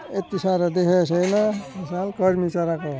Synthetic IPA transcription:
et̪ːisaɾʌd̪ekʰesʌjnʌesalkʌɾmisaɾako

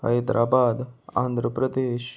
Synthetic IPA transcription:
ə̰ed̪ɾʔaːbaːd̪a̰ːnd̪ʱɾəpɾəd̪eːʃ

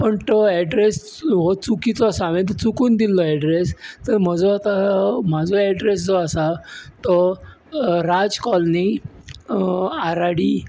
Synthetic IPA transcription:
pəɳt̪ɔɛɖɾes | ɦot͡sukit͡sɔasaʋẽt̪̬ət͡sukuːnd̪ilːɔɛɖɾest̪əɾm̤əd͡zɔat̪am̤ad͡zʱɔɛɖɾes̬d͡zɔasat̪ɔ | ɾad͡zkɔlni | aɾaɽi

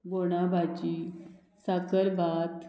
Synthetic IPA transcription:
boɽ̃abʱat͡ɕi | sakəɾbat̪

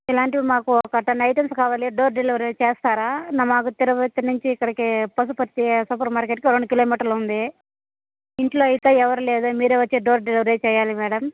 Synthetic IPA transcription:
ilaːɳʈimaːkuɔkɐʈːɐnɐjʈɐmskaːʋaːliɖoːɾɖeliʋɐɾeːt͡ʃɛːst̪aːɾaːnɐmaːkut̪iɾɐʋɐt̪ːɐnuɲt͡ʃiːkːɐɽɐkipɐs̬upɐɾt̪ːisuːpɐɾmaːɾkeʈkiɾoɳɖukiloːmiːʈɐɾlund̪i | iɳʈloːɐjit̪eːɛʋɐɾuleːd̪oːmiːɾeːʋɐt͡ʃːeːɖoːɾɖeliʋɐɾeːt͡ʃɛːjaːlimɛːɽɐm

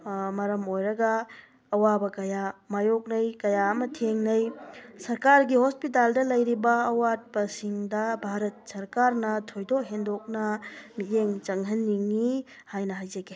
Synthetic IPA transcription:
mɐɾɐmojɾɐɡɐː | wabɐkɐjamajok̚nɐjkɐjaɐmɐtʰeŋnɐjsɐɾkaɾɡihospitaldɐlɐjɾibɐːwat̚pɐsiŋdɐbʱaɾɐt̚sɐɾkaɾnɐtʰojdokɦendok̚nɐmijeŋt͡ʃɐŋɦɐnːiŋːi | hajnɐɦajd͡ʒɐɡe

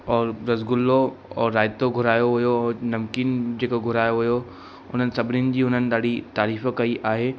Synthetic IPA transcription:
ɔːɾɾɐzɡʊlːoɔːɾːaːɪt̪oɡʱʊɾaːjoɦʊjoɔːɾnɐmkiːnd͡ʑeːkoɡʱʊɾaːjoɦʊjo | ʊn̤ənɪ̆sɐbʱɪniʊnɪ̆d͡ʑiːʊn̤ənɪ̆ɗ̪aːɽ̤it̪aːɾiːfkɐiʔaːɦeː

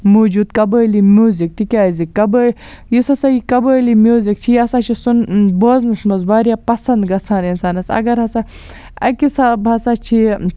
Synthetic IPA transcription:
muːd͡ʒuːd̪kɐbəːlimʲjuːzik̚t̪ikʲaːzikɐbəː | jisɐsajikɐbəːlimʲjuːzikt͡ʃʰijɐsaːt͡ʃʰisunboːznɨsmɐzʋaːɾjaːpɐsɐnd̪ɡɐsʰaːninsaːnɐsɐ̰ɡɐɾɦɐsa | ɐ̰kisabɦɐsaːt͡ʃʰi

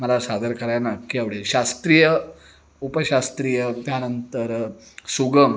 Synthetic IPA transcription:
məlasad̪əɾkəɾajanakiaʋɽeɕast̪ɾijə | upəɕast̪ɾijət̪janənt̪əɾsuɡəm

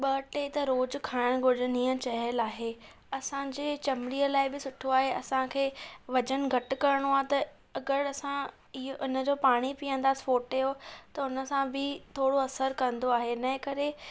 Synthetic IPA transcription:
ɓɐʈet̪ɐɾoːd͡ʑkʰaːɪɽ̃ɡʱʊɗnĩːə̃t͡ɕɐɦəlaːɦe | ɐsãd͡ʑeːt͡ɕɐmɾiːəlaːɪbɪsʊʈʰoaːɦeɐsãkʰeːʋɐd͡ʑənɪ̆ɡʱɐʈɪ̆kɐɾɪɽ̃oaːt̪ɐ | ɐɡəɾɐsã | ɪɦʔʊnə̆d͡ʑoːpaːɽ̃ipiːə̃nd̪aːsɪ̥foːʈejot̪ɐʊnə̆sãbɪt̪ʰoːɽoɐsəɾkɐ̃n̆d̪oaːɦenɐɦɪ̃kɐɾe

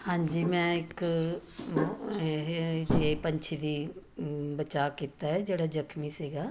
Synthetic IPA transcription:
hãːɲd͡ʒiːmɛ̃ɪk | d͡ʒepɐ̃ɲt͡ʃʰid̪i | bɐt͡ʃaːkit̪aɦɛd͡ʒeːɽad͡ʒɐkʰmisiːɡaː

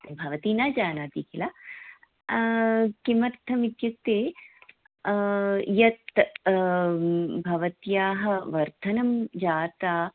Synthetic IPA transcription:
bʱɐʋɐt̪iːnaːd͡ʒaːnaːt̪iːkilaː | kimɐɾt̪ʰːɐmit̪jut̪ːeː | jɐt̪ | bʱɐʋɐt̪jaːɦɐ̆ʋɐɾt̪ʰɐnɐmd͡ʒaːt̪aː

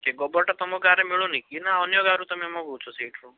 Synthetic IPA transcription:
keɡɔbɔɾʈat̪ɔmɔɡaɾemiɭonikinaɔnjɔɡaɾũt̪ɔmemɔ̃but͡ʃʰɔseːʈʰɾũ

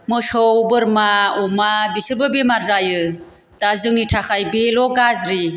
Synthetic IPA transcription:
mɯsɔbɯɾmaɔmabisɯɾbɯbemaɾzajɯ | dazɯŋitʰakʰajbelɔɡazɾi

